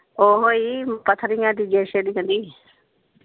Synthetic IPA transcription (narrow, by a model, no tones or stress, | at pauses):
oːɦoːiːpət̪ʰːɾɪːjãːd̪iːd͡ʒeːʃeːdiːɦə̃nd̪iː